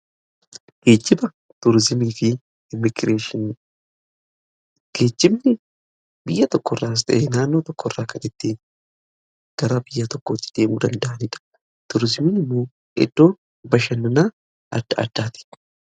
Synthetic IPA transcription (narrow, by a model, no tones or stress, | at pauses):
ɡ̥e̞ːd͡ʒːɪbɐ | t̪ʊɾzɪmiːfɪ | ɪmɪɡɾe̞ːʃɪn | ɡ̥e̞ːd͡ʒːɪbnɪ | bɪjːɐt̪ɔkːɔrːaːs̬t̪ɐ̰ʔeːnaːnːo̞ːt̪ɔkːɔrːaːkɐnɪd̪ːeːn | ɡ̥ɐɾabɪjːɐt̪ɔkːot̪ːɪ̥d̪̥e̞ːmuːd̪ɐnd̪ɐʔɐnɪᶑ̪ɐ̥ | t̪ʊɾɪzɪmiːnɪmːo̞ː | ɛ̰d̪̥ːo̞ːn | bɐʃɐnːɐnaː | ʔɐ̰d̪̥ːɐɐ̰d̪̥ːaːt̪ɪ̥